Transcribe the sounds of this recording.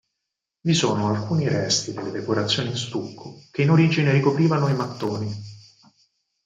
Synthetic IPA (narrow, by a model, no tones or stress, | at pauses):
visuːnoalkuːniɾɛst̪id̪elːed̪ekoɾat̪sːjoːninst̪ukːok̟einoɾiːd͡ʒinerikopɾiːvanoimat̪ːoːni